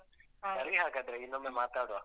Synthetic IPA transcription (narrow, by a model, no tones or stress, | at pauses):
sɐɾɡiɦaːɡaːd̪ɾeinːɐmɐmaːt̪aːɽuʋa